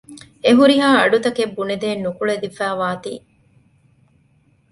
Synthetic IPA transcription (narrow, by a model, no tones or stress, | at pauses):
eɦuɾiɦaːɐɖut̪ɐkebːuned̪eːnːukuɭed̪ifæːʋaːt̪ḭː